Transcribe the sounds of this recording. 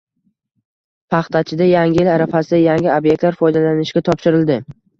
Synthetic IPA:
pʰɑχt̪ʰat͡ʃʰɪd̪ajaŋʲɪɪlaɾafasɪd̪ajaŋʲɪobjekt̪laɾfɒjd̪alanɪʃɡʲat̪ʰɒpʃɪɾɪld̪ɪ

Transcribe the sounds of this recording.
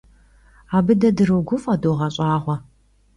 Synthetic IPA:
aːbɨdɐdɨrɨwɡʷʊfʼɐdoːʁɐɕʼaːʁʷɔ

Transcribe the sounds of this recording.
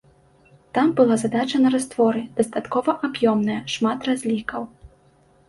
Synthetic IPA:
t̪ambɨlˠazad̪at͡ʃɐnɐɾast̪vɔɾɨd̪̥ɐst̪at̪kɔvɐʔabjɔmnɐjɐʂmat̪razʲlʲikɐw

